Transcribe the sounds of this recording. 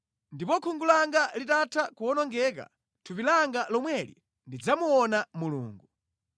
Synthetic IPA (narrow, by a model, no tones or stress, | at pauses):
ndipɔkʰuŋɡulaŋɡalitatʰakuɔnɔŋɡɛka̰ | tʰupilaŋɡalɔmwɛlḭ | ndid͡zamuɔnamulṵːŋɡu